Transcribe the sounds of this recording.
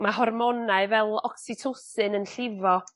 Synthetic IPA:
maɦɔrmɔnaɨvɛlˠɔksɪtʰosɨnənɬɪvɔ

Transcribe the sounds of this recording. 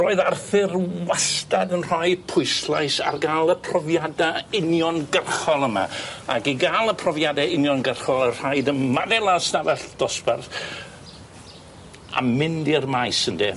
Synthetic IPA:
roːɨðarθɪrwastadənr̥ɔɨpʰʊɨslˠajsa̰rɡaːlˠəpʰrɔvjadaɪnjɔnɡərχɔlˠəma̰a̰ɡiɡalˠəpʰrɔvjadaɪnjɔnɡərχɔlˠər̥ajdənmaðɛlˠasnavɛɬd̥ɔspɛrθ | a̰mɪndirmajsəndḭ

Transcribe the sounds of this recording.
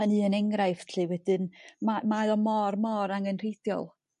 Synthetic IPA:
ənɨːənɛŋɾajfɬiwɛdɨnmamaðɔmɔrmɔɾaŋənr̥ejθjɔ̰lˠ

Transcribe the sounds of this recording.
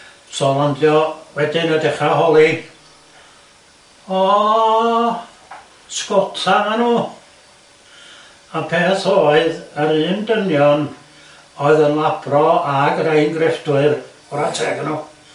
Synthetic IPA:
sɔlandjɔwɛdɪnədɛχahɔlˠi | ɔ | skɔtʰamanuː | apʰeːθoːɨðəɾɨːndənjɔn | oɨðənlˠab̥rɔaɡəɾeɨnɡrɛfdwɨr | ɔɾatʰɛɡənuː

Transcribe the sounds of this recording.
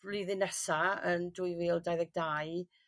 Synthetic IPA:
liðɨnɛsaəndujwiːlˠdajðɛɡ̚daj

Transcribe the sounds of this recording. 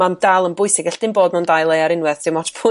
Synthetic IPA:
mandalˠənbʊɨsɪɡɛɬd̥ɪnboːdmɔndajlˠejaɾɪnwɛðdɪwmɔdpʰʊ

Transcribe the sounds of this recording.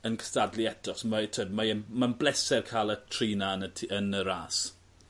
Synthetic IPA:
ənkʰə̥stadliɛtʰɔsmatʰodmaəmanblɛsɛrkʰaːlˠətʰriːnaənətʰənəɾaːs

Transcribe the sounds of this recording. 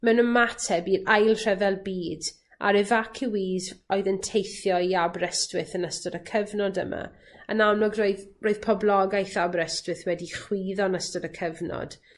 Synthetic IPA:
mɛwnəmatʰɛbiːdajlˠr̥ɛvɛlˠbiːd | ʔa̰ɾɛvakʰɪwizɔɨðəntʰejθjɔiabrɛstwɪθənəstɔdəkʰəvnɔdə̰mʔa̰ | ə̰nawnɔɡroɨðroːɨð̥pʰɔblˠɔɡajθabrɛstwɪθwɛdiχwiːðɔnəstɔdəkʰəvnɔ̰d̥

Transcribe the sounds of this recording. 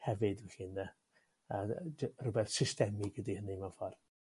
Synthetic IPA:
hɛvɨdɪɬiːnðɛ | ərʊbɛθsɪstɛmɪɡədihənimafɔr

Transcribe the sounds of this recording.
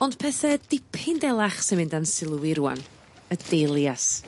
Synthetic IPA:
ɔnd̥pʰɛθɛd̥ɪpʰɪndɛlˠaχsinmɪndansɪlˠwɪɾua̰n | əd̥elˠjas

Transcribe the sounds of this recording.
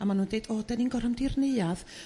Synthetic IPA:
amanuːndejd̥oːdɛniŋɡɔrhəmdɪrnɪɨað

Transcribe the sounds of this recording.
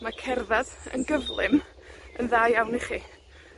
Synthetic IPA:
makʰɛrðaðə̰nɡəvlˠɪm | ənðaːjawniχiː

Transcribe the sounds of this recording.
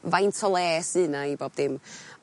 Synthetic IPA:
vajntʰɔlˠɛːsɨːnaiboːb̚dɪm

